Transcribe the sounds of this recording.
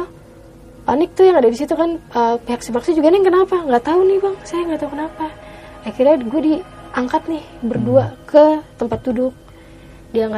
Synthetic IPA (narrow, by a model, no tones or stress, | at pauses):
pa̰nɪk̚t̪ujaŋadadisit̪ukanəpeɦaksibaksad͡ʒuɡanɛŋkənapaŋɡaʔt̪aunɪhbaŋsajaŋɡat̪aukənapaː | kirɲaɡuɛdi | aŋkat̪̚nɪhbərduakʰət̪əmpat̪̚dudʊk̚ | diaŋka